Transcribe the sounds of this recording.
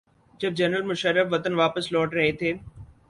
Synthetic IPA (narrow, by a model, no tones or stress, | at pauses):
d͡ʑɐb̚d͡ʑɐɾnəlmʊʃəɾːəfʋɐt̪ənʋaːpəslɔːʈɾɐɦet̪ʰeː